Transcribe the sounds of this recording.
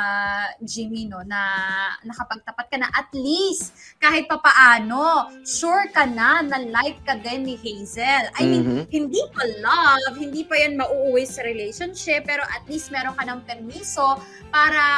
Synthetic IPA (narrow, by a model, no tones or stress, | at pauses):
d͡ʒiːmino̞nɐnɐkɐpɐɡ̚t̪ɐpat̪̚kɐnɐʔɐt̪list̪kaːhɪt̪̚pɐpɐʔaːno̞ʃuɹkɐnanɐlajv̚kɐd̪ɛnːɪhejzɛlʔɐjminhɪnd̪ipɐlɐvhɪnd̪iːpɐjanmɐʔuːʔuwɛjsɐɾɪlejʃonʃɪpːɛːɾo̞ʔɐt̪̚list̪̚mɛːɾoŋkɐnɐŋpɛɾmiːso̞ | paːɾɐ